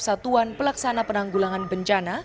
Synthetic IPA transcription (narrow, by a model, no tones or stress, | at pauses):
sat̪uanpəlaksanapənaŋɡulaŋanbəɲt͡ʃana